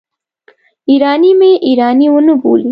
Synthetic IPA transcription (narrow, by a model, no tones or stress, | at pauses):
iɾɑːnimeʔiɾɑniwənəbo̰li